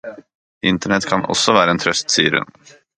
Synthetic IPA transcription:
ɪnt̪əɳɛt̪kʰanɔ̰sːɔvæːɾaɛnt̪ʰɾœst̪siːəɾɵ̰n

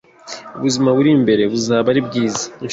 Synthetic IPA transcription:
uβuzimaβuɾimbe̞ɾe̞βuzaːβaɾibɡiːzḁin

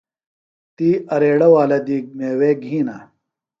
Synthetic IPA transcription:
t̪iːɐɾeːɽɐwaːlɐd̪iːɡ̚meːweːɡʱĩːna

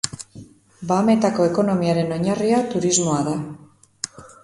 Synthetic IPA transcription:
baːme̞t̪ako̞e̞ko̞no̞miaɾe̞no̞ɲariat̪uɾizmo̞aða

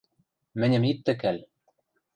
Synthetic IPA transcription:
mɘ̆nʲɘ̆mit̪ːɘ̆kælʲ

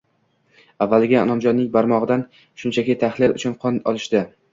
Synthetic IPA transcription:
avːalɪɡʲaɒ̰nɒmd͡ʒɒnnːɪŋbaɾmɒʁɨd̪an | ʃʊnt͡ʃʰakʲɪt̪ʰaχlɪlʔʊt͡ʃʰʊnqʰɒnɒlˠɪʃt̪ɪ

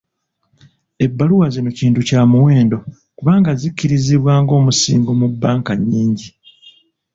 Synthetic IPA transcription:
e̞bːaluwazino̞ciːntucaːmuwe̞ːndo̞ | kuβaːŋɡazicːiɾiziβwaːŋɡo̞ːmusḭːŋɡomubːaːŋkaɲːiːɲɟi

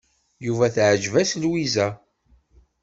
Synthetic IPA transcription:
juvæθʕəd͡ʒvæslwizæ

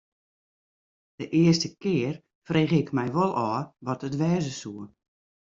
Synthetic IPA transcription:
d̥əʔɪəstəkɪər | freːɣɪkmɛjʋolˠɔːʋɔtətʋɛːzəsuə

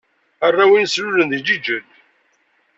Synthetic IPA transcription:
ərˤːawinslʊlənðid͡ʒid͡ʒəd̪

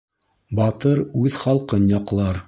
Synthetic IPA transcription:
bɑt̪ɤɾʉðχɑlˠqɤnjɑqlˠɑɾ

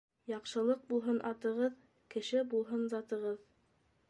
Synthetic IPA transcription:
jɑqʃɤ̆lˠɤq̚bulˠɦɤnʔɑt̪ɤ̆ʁɤð | kɘ̆ʃɘbulˠɦɤnzɑt̪ɤ̆ʁɤð

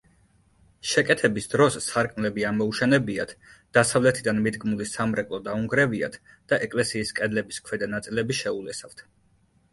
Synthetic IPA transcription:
ʃɛkʼɛt̪ʰɛbisd̪̥ɾɔsːaɾkʼmlɛbiamɔuʃɛnɛbiat̪ʰd̪̥asavlɛt̪ʰid̪anmid̪ɡmulisamɾɛkʼlˠɔd̪auŋɡɾɛvia̰t̪ʰ | d̪̥aʔɛkʼlɛsiːskʼɛd̪lɛbiskʰwɛd̪anat̪sʼilɛbiʃɛulɛsaft̪ʰ

